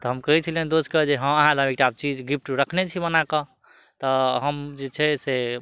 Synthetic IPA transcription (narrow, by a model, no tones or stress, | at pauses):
t̪ɔɦəmkəɦit͡ʃʰəlɦend̪oskəd͡ʒeɦə̃məɦãlʱəmekʈab̚t͡ʃid͡ʒɡip̚ʰʈɾəkʰnet͡ʃʰibənakə | t̪ɔɦəmd͡ʒet͡ʃʰɛse